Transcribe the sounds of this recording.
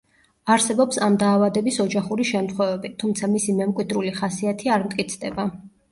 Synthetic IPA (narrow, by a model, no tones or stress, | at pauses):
aɾsɛbɔpsamd̪aːvad̪ɛbisɔd͡ʒaχuɾiʃɛmt̪χwɛvɛbit̪ʰumt̪sʰamisimɛmkʼwid̪ɾuliχasiat̪ʰiaɾmt̪ʼkʼit̪sʰd̪ɛba